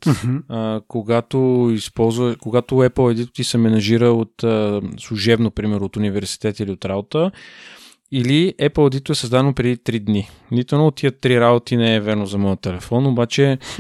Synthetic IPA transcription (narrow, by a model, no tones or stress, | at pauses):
t̪ː | koɡat̪oispɔlˠzvəkoɡat̪oɛplˠɐd̪it̪ʊ̥t̪isɛmɛnɐʒiɾəot̪ːslˠuʒɛbnopɾimɛɾot̪ʊnivɛɾsi̥t̪ɛt̪əiliot̪ɾabot̪ə | iliɛplˠɐd̪it̪ʊɛsəzd̪ad̪ɛnopɾɛd̪it̪ɾid̪ni | nit̪ʊɛnoot̪ːiət̪ːɾiɾabot̪inɛɛvɛɾnozɐmɔjət̪ɛlɛfɔnobat͡ʃɛ